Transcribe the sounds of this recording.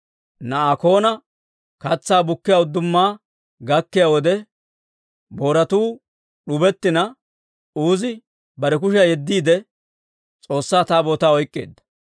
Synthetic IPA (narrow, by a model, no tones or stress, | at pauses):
nɐaːko̞ːnɐ | kɐt͡sːaːbʊkːɪjaːʊd̪ːʊmːaː | ɡɐkːɪjaːwɔd̪ɛ | bo̞ːɾɐt̪uː | ɗʊbɛt̪ːɪnɐ | uːzɪ | bɐɾɛk̬ʊʃ̬ɐjɛd̪ːiːd̪ɛ | t͡sʼo̞ːsːaːt̪aːbo̞ːt̪aːɔjkʼːḛːd̪ːɐ̥